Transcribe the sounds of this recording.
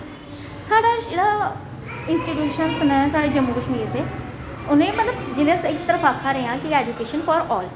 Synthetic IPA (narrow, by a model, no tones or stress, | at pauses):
saːɽad͡ʒeːɽa | ɪ̃nsʈiʈjuːʃənsnəsaːɽed͡ʒɐmːuɡəʂʈmĩɡet̪e | ʊnẽmɐt̪ləbd͡ʒeleesɪkt̪əɾəfaːkʰaɾɐɦijãkieːd͡ʒukeːʃənfɔːɾɔːl